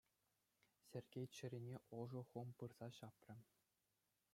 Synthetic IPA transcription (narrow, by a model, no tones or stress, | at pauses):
sʲerʲɡʲejt͡ɕɘ̆ɾʲinʲeʔoʐɤ̆χumpɯrz̥ɑɕɑprʲɘ̆